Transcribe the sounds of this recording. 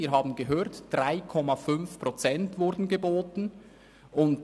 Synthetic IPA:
iːɾɦɑːbn̩ɡəɦøːtd̥ʁaɪkʰɔmafʏnfpʁot͡sɛntvʊɾdn̩ɡeboːtn̩ | ʊnt

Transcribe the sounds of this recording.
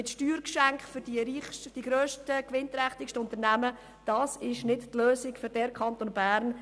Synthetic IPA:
ɪtʃtyːɾkʃæŋkχfʏɾd̥iɾiːχʃd̥iɡɾøːʃtəkʋɪnt̪ɾɛχtɪkʃtəʊntəɾnæmə | d̥ɑːsɪʃnɪdtløːsɪkfʏɾd̥ɛɾkχɑnt̪oːnbæːɾn

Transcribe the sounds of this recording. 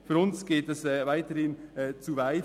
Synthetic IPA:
fyɾʊnsɡ̥eːtɛsɛːvaɪtəɾhɪnɛːt͡suvaɪ

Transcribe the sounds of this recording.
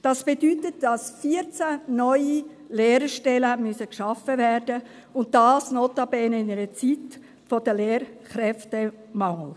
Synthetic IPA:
d̥ɑsb̥edytətd̥ɑsfiəɾt͡sænɔʏi | leːɾəʃtɛləmysəkʃɑfəvɛːɾdə | ʊnt̚d̥ɑːsnotɑbɛnəɪnəɾət͡sit | fɔdəleːɾχɾɛftə | mɑŋl̩

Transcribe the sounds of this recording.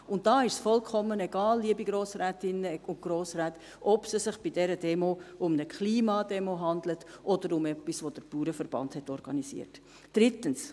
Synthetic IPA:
ʊnt̚d̥ɑːɪʃsfɔlkʰɔmːənɛɡ̥ɑːlːiəbiɡɾoːsɾɛːtɪnːəʊn̚ɡ̥ɾoːsɾɛːt | ɔb̥səsɪχb̥idɛɾədɛmoʊmnəkχliːmɑːd̥ɛmoɦɑndlətʔɔdəɾʊmɛpːisʋod̥əɾpuːɾəfəɾb̥ɑ̰nthɛtɔɾɡ̥ɑ̰nisḭəɾt | d̥ɾɪtəns

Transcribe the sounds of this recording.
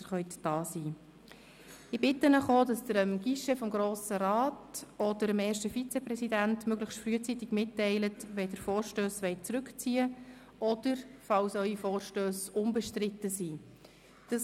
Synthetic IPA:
əɾχœʏtd̥ɑːsiː | ɪbɪtːənəχoːdɑsd̥əɾəmɡ̥iʃɛfɔmɡɾoːsəɾaːtɔd̥əɾəmɛːɾʃtəfit͡sɛpɾɛsidæntmøɡləχʃtfryət͡sitɪɡmɪtːɛɪlətʋɛdəɾfoːɾʃtøːsʋɛɪt̚t͡sɾʉkt͡siːə | ɔd̥əɾfɑwsœʏifɔːrʃtøːsʊmbəʃtɾɪtəsiː | d̥əs

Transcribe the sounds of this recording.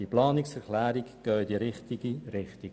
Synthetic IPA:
iplɑːnɪksɛɾklæːɾiɡɡ̥œːd̥̪iɾɪχt̪iɡiɾɪχt̪iɡ

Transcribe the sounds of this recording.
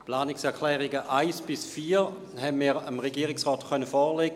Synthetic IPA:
plaːnɪksɛɐkʰlɛːʁɪɡəʔaɪsb̥ɪsfiːʁ | hɛmiːʁəmʁeɡiːʁɪksʁɔːtkʰœnəfɔːleɡə

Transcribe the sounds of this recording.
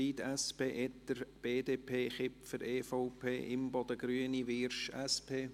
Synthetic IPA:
iːd̪æspeːʔɛt̪ːəɾb̥eːd̪eːpʰeːχɪpfəɾeːfoʊpʰeːʔɪmbɔd̪əɡ̥ɾyəniʋɪɾʃæspʰeː

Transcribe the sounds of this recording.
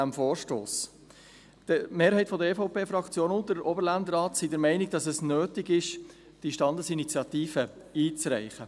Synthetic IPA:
æmfoːɾʃto̰ːs | d̥əmeːɾhɛɪtfɔd̪əɾefoʊpʰeːfɾɑkt͡sjoːnʊntd̥əɾoːbəɾlændəɾɑːtsidəɾmɛɪnɪɡ̚d̥ɑsɛsnøːtɪɡɪʃ | d̥iʃtɑndəsinit͡sjɑt̪iːfə | iːt͡srɛ̰ɪχə

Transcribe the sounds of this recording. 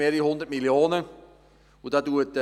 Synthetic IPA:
eːɾihɔnd̪əɾtmiljoːnə | udat̚duət

